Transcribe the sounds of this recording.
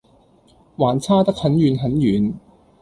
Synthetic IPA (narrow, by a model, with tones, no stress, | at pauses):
waː˨˩nt͡sʰaː˥t̪ɐ˥k̚hɐ˨˥njyː˨˧nɦɐ˨˥njyː˨n